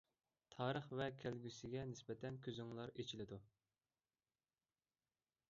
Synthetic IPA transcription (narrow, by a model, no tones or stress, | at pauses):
t̪ʰɑːɾəχvɛkʲʰælɡʲysɪɡʲɛnɪspɛt̪ʰɛnkʲʰøzyŋlˠɑɾet͡ʃʰilɪd̪u